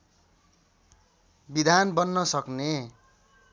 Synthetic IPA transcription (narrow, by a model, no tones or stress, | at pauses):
bid̪ʱanbʌnːʌsʌkne